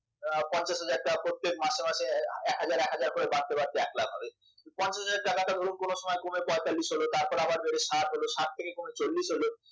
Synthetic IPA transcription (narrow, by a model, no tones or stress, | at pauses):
pɔnt͡ɕaʃɦad͡ʑaɾ̚ʈapɾot̪ːek̚maʃemaʃeɛkɦad͡ʑaɾɛkɦad͡ʑaɾpoɾebaɽt̪ebaɾt̪eɛklabɦɔbe | pɔnt͡ɕaʃɦaaɾ̚ʈakaʈad̪ʱoɾunkonoʃɔmɔekomepɔet̪alːiʃɦolot̪aɾpɔɾabaɾbeɽeʃaɾɦoloʃaʈ̚t̪ʰekekomet͡ɕolːiʃɦolo